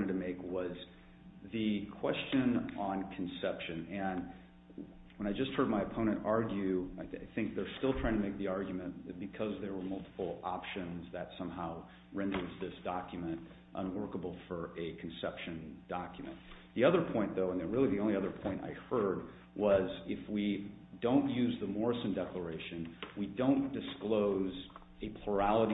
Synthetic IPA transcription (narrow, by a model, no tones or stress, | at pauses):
ɾ̃ɨtʰɨmeɪkwʌz | ðɨkʰw̥ɛst͡ʃɨ̃nə̃nkʰn̩sɛpʃɨ̃nɨ̃n | wə̃ɾ̃aɪd͡ʒʌst̚hɜ˞d̚maɪɨpʰõʊɾ̃ɨ̃ntɑɹɡjʉaɪa̰ɪθɪ̃ŋk̚ðə˞stɪlˠtʰɹ̥aɪ̃ŋtʰɨmeɪk̚ðiɑɹɡjmɨ̃nb̥ɨkʰʌzðə˞wə˞mʌlˠtʰə̥pl̩ˠɑpʃɨ̃nzðɨtsʌ̃mɦaʊ | ɹɛ̃ndə˞zðɪsd̥ɑkjɨmɨ̃nt | ʔə̰̃nwɜ˞kəbl̩ˠfə˞ɨkʰn̩sɛpʃɨ̃nd̥ɑkjmɨ̰̃nðiʌðə˞pʰɔ̃ɪ̃nðoʊə̃nðɨ̃nɹɪlˠiðiõʊ̃nliʌðə˞pʰɔ̃ɪ̃ñta̰ɪhɜ˞d̚ | wʌzɪfwi | dõʊ̃nʔjʉzðəmɔɹɨsn̩dɛklə˞eɪʃɨ̃nwidõʊ̃nd̥ɨskloʊz | ɨpʰl̥ə˞ælˠəɾ